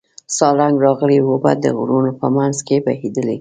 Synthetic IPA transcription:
sɑlaŋɡɾɑɣəlewoba̰d̪ə̰ɣɾunopəmanzkebahid̪əle

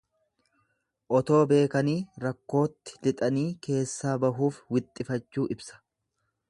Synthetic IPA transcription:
ʔɔt̪o̞ːbe̞ːkɐniːɾɐkːo̞ːt̪ːɪ̥d̪ɪt̪ʼɐniːke̞ːsːaːbɐɦuːfwɪt̪ʼːɪfɐt͡ʃːuːʔɪbsɐ̥

